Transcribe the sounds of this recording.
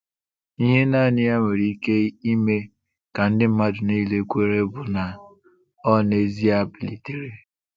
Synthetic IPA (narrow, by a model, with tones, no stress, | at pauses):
i˦ɦe˦na˦˨nɪ˦a˦mʷe˨ɾi˨i˦ke˦i˦me˦ | ka˨n̩˦dɪ˦m̩˦ma˦dʊ˨ni˦˨le˨kʷe˦ɾe˦bʊ˨na˨ | ɔ˦ne˨zi˦a˨bi˨li˨ti˨ɾe˦